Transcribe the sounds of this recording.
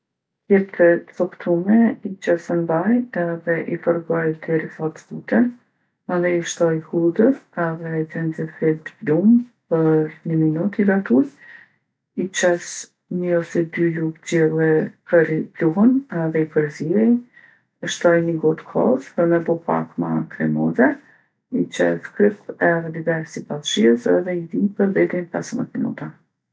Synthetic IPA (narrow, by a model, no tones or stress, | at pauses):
t̪jɛp̚t̪ɛt̪t͡sɔkt̪ʰumɛit͡ʃɛsənd̪ajɛðɛʔifəɾɡɔjt̪ɛɾifɔt̪t̪ut̪ɛn | ɛðɛiʃt̪ɔjhud̪əsɛðɛd͡zɛnzɛfɛt̪blumpəɾnəminut̪iɡat̪uj | it͡ʃɛs | ɲəɔsɛd̪ylupd͡ʑɛlˠɛpəɾipluɦənɛðɛipəɾziɛj | əʃt̪ɔjnəɡɔt̪kʰɔ̰sɔnɛbɔpa̰kmat̪ɾɛ̰mɔzɛ | it͡ʃɛ̰skɾipɛðɛd̪ivɛɾsipalʃiəsɛ̰ðɛid̪ipəɾðɛd̪inpɛsəmə̰t̪minṵt̪a